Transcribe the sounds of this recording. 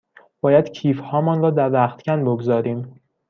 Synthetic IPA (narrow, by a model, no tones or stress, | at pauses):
b̥ɒːjæd̪̥cʰiːfhɒːmɒːnɾɒːd̪æɾvæχt̪cʰʲænboɡzɒːɾiːm